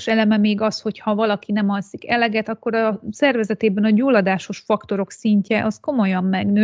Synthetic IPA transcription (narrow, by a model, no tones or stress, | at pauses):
ʃɛlɛmɛmeːɡɒsho̞chɒvɒlɒkinɛmɒlsikɛlɛɡɛt̪ɒkːo̞ɾɒsɛrvɛzɛt̪eːbɛnɒɟuːlɒd̪aːʃo̞ʃfɒkt̪o̞ɾo̞ksiɲcɛʔɒsko̞mo̞jɒmːɛɡnøː